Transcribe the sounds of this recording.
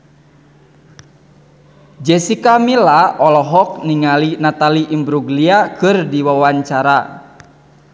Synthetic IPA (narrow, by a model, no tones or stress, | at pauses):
d͡ʒɛsikamilaɔlɔɦɔk̚niŋalinat̪aliʔimbɾuɡliakɨrdiwawaɲt͡ʃaɾa